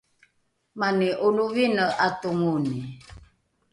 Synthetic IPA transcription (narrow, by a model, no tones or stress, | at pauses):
maniʔuluvinəʔatuŋuni